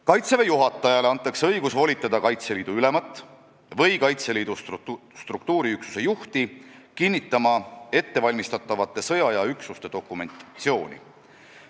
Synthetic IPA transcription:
kɑjt̪sevejuɦɑt̪ːˑɑjɑle̞ɑnt̪ˑːɑksɤ̞jɡ̥usvo̞lʲit̪ːˑɑd̪ɑkɑjt̪se̞liːd̪̥uylemɑt̪ːˑ | vɤjkɑjt̪se̞liːd̪̥ust̪rukt̪uːɾiyksu̥se̞juht̪ikinʲːit̪ːˑɑmɑe̞t̪ːe̞vɑlʲmist̪ɑt̪ːˑɑvɑt̪ːˑe̞sɤ̞jɑjɑyksust̪e̞d̪̥o̞kːˑume̞̰nt̪t̪sio̞ːnʲḭ

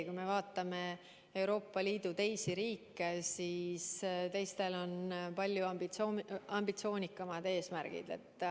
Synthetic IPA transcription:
kujme̞vɑːt̪ːˑɑme̞ | e̞wɾo̞ːpˑːɑliːd̪̥ut̪e̞jsiɾiːkːesist̪e̞jst̪e̞lo̞npɑlʲjuɑmbit̪sɑmbit̪sio̞ːnʲikːˑɑmɑd̪̥e̞ːsmæɾɡ̥ḭd̪e̞̰t̪ːˑ

